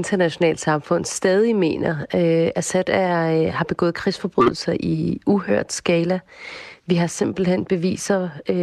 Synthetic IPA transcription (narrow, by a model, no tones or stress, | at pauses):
nd̥ɐnæɕo̝nɛ̰ːld̥sɑ̈mfɔ̽n̰sd̥ɛːð̞ˠime̝̰ːnɐøæsed̥æhɑ̈b̥e̝ɡ̥ɔ̽ːð̩ˠkʰʁisfɒ̽b̥ʁy̰ðˠl̩sɐʔiuhøɐ̰d̥sɡ̥ɛːlæʋiɦɑ̈se̝m̰b̥l̩hen̰b̥e̝ʋḭːsɐ